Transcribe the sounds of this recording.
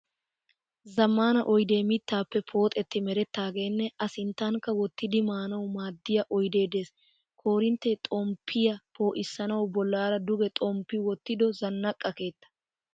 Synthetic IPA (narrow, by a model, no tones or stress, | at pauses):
zɐmːaːnɐʔɔjd̪e̞ːmɪt̪ːaːpːɛpʰo̞ːt̪ʼɛt̪ːɪmɛɾɛt̪ːaːɡe̞ːnːɛɐsɪnt̪ːaŋkːɐwɔt̪ːɪd̪ɪmaːnɐwʊmaːd̪ːɪjɐʔɔjd̪e̞ːd̪e̞ːs | kʰo̞ːɾɪnt̪ːɛt̪ʼɔmpʰːɪjɐpo̞ːʔɪsːɐnɐwʊbɔlːaːɾɐd̪ʊɡɛt̪ʼɔmpːɪwɔt̪ːɪd̪ɔzɐnːɐkʼːɐke̞ːt̪ːɐ̥